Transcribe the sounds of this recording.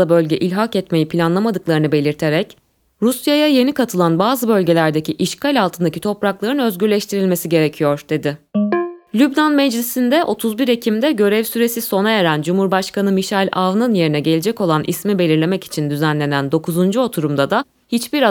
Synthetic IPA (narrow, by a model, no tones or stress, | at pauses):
abø̞lʲɟɛʔilʲɦakɛt̪me̞jipʰilʲanlˠamad̪ɯklˠaɾɯnɯbe̞lʲiɾt̪ʰe̞ɾɛc | ɾusjajaje̞nikʰat̪ʰɯlˠanbaːzɯbø̞lʲɟe̞lʲæɾd̪e̞cʰiʔiʃkalʲalˠt̪ʰɯnd̪acʰit̪ʰo̞pɾaklˠaɾɯnø̞zɟyɾlʲɛʃt̪ʰiɾilʲme̞siɟe̞ɾecʰijo̞ɾd̪̥e̞d̪ɪ | lʲybnanmɛd͡ʒlʲisind̪ɛʔo̞t̪ʰuzbiɾecʰimd̪ɛɟø̞ɾɛvsyɾe̞siso̞najeɾænd͡ʒumhuɾbaʃkanɯmiʃalʲʔavnɯnje̞ɾinɛɟe̞lʲed͡ʒɛco̞lˠanʔḭsmibe̞lʲiɾlʲe̞mɛci̥t͡ʃʰind̪yzænlʲe̞nænd̪o̞kʰuzund͡ʒuo̞t̪ʰuɾumd̪ad̪a | hit͡ʃbiɾa